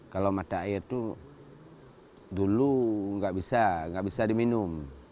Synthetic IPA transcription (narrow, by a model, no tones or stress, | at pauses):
kalomat̪aijat̪u | duluŋɡaʔbisaŋɡaʔbisadiminum